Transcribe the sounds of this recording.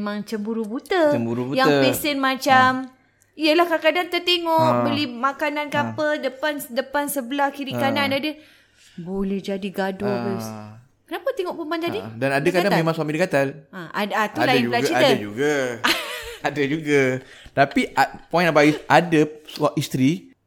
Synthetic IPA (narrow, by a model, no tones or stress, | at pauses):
memãŋt͡ʃəmbuɾubut̪əəmbuɾubujaŋəpisɛnmat͡ʃam | ijəlahkakadant̪ət̪eŋɔʔbəlimakananɡapədəpansdəpansəbəlahkiɾikanandadə | bolɛhd͡ʒadiɡadoəs | kənapat̪eŋɔʔpumband͡ʒadidanadakaadaŋmẽmãŋswamidəkat̪alãʔadat̪ualailaɡiaəd͡ʒuɡa | adad͡ʒuɡa | t̪apiatpɔjnbaisʔadəswaʔist̪ɾi